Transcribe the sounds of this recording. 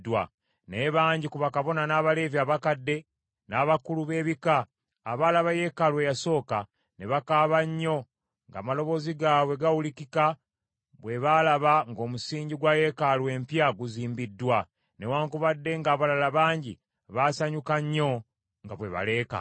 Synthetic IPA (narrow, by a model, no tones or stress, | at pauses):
dwa | neβaːɲɟikuβakaβo̞nanaːβale̞vjaβakadːe̞ | naːβakuluβe̞ːβikaː | βalaβaje̞kalwe̞jaso̞ːka | ne̞βakaːβaɲːo̞ | ŋɡa̰ːmalo̞βo̞ːziɡaːwe̞ɡawulikika | βwe̞βalaβaŋɡo̞ːmusiːɲɟiɡwaje̞kalwe̞ːmpjaɡuziːmbidːwa | ne̞waːŋkuβadːe̞ŋɡaːβalalaβaːɲɟḭ | βasaɲukaɲːo̞ | ŋɡaβwe̞̰βa̰le̞ːka̰